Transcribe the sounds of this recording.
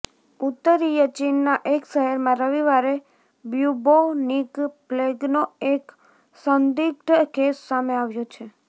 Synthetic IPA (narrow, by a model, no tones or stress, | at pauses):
ut̪ːəɾijət͡ʃinːaʔekʃəɦəɾmãɾəʋiʋaɾe | bjubonikpleɡnoek | sənd̪ik̚ʈkesːameaʋjot͡ʃʰe